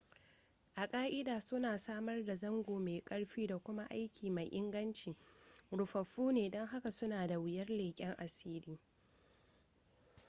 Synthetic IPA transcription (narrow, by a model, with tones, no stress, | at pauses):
ʔa˨kʼaː˦ʔɪ˦daː˨sʊ˦naː˨saː˦mɐ˦rda˨zɐ˦ŋɡʷoː˨meː˨kʼɐ˦ɽɸiː˦da˨kʷʊ˦ma˦ʔa˦jkʲʰiː˨ma˨jʔɪ˦ŋɡɐ˦nt͡ʃi˨ɽʊ˨ɸɐ˨ɸːuː˦neː˨dɐ˦ŋɦa˦ka˨sʊ˦naː˨da˨wɪ˦jɐ˦rleː˨kʲʼɛ˦ŋʔa˨siː˦liː˦